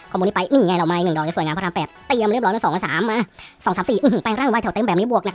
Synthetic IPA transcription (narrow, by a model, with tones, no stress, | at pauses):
kʰɔː˧mu˧niː˦˥pa˧jniː˧˩ɲ˨ŋ˧jlɔ˨˩ma˧˨˧nɯ˨˩dɔː˨˩t͡ɕːsjŋa˧pʰa˧pɛː˨˩t̪ːi˧əmɾp̚ɔ˦˥ma˧˩sɔː˨˦ŋaː˧˩saː˩˦mːaː˧˥˩sɔː˨˦ŋsaː˨˦msiː˨˩ʔɨ˧˨˧paː˧ŋɾaː˥˩˨wt̪ʰːt̪e˧˨mbɛ˨˩niː˦˥bu˨˩ək̚na˧k